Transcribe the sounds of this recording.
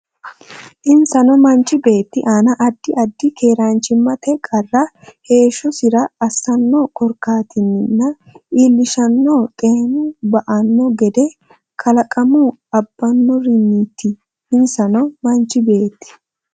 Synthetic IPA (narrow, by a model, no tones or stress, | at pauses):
ʔɪnsɐnɔmɐnt͡ʃːɪbe̞ːt̪ːɪʔaːnɐʔɐd̪ːɪʔɐd̪ːɪkʰe̞ːɾaːnt͡ʃɪmːɐt̪ɛkʼɐrːɐ | he̞ːʃɔsɪɾɐɐsːɐnːɔkɔɾkːaːt̪ɪnːɪnːɐ | ʔiːlːɪʃɐnːoːt̪ʼe̞ːnʊbɐʔɐnːɔɡɛd̪ɛ | kʰɐlɐkʼɐmʊ | ɐbːɐnːɔɾɪnːit̪ːɪ | ɪnsɐnɔmɐnt͡ʃːɪbe̞ːt̪ːɪ̥